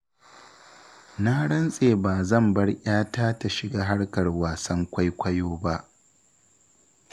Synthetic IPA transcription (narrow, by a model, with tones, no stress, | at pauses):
na˦ɽɐ˦nsʼeː˨baː˨zɐ˦˨mbɐ˦rʔʲaː˦taː˦ta˨ʃɪ˨ɡaː˦ɦa˦ɽkɐ˨rwaː˨sɐ˦ŋkʷa˦jkʷɐ˦joː˦ba˦ʔ